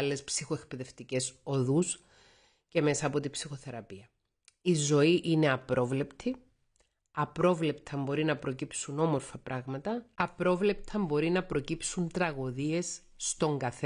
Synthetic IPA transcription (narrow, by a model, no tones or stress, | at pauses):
lːe̞spsixoe̞k̚pe̞ðe̞ft̪ice̞so̞ðus | ce̞me̞sɐːpo̞t̪ibsixo̞θe̞ɾɐpiɐ | izo̞iʔine̞ɐpɾo̞vle̞pt̪ʰi | ɐpɾo̞vle̞pt̪ʰɐmbo̞ɾinɐpɾo̞cipsuno̞mo̞ɾfɐpɾɐɣmɐt̪ɐɐpɾo̞vle̞p̚t̪ʰɐmbo̞ɾinɐpɾo̞cipsunt̪ɾɐɣo̞ðie̞sː | t̪o̞ŋɡɐθe